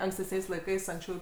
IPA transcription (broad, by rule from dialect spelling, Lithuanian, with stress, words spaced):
ɐŋksʲtʲɛsʲˈnʲɛɪs lˠɐɪˈkɐɪs ɐŋksʲˈt͡ʃʲɛʊ